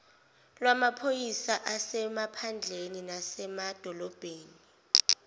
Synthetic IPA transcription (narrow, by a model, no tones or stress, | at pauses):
lwamapʰojisaʔasɛmapʰand͡ɮʱeninasɛmad̥ʱɔlɔb̥ʱeːni